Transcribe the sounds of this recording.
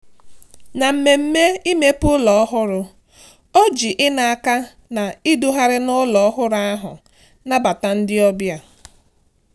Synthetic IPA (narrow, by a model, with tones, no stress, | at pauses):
na˨m̩˨me˨m̩˦me˦i˦me˦pʊ˦lɔ˨ɔ˦ɦʊ˦ɾʊ˨ | o˦d͡ʒi˨ʔɪ˦na˨a˨ka˦ | na˨i˦du˦ɦa˦ɾɪ˦nʊ˦lɔ˨ɔ˦ɦʊ˦ɾa˦ɦʊ̰˨ | na˦ba˨ta˨n̩˦dɪ˦ɔ˦bja˦˨